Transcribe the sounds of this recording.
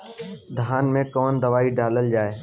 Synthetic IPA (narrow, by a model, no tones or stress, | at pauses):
d̪ʱaːnmẽkɔːnd̪ɐʋaːiɖaːləld͡ʒaːeː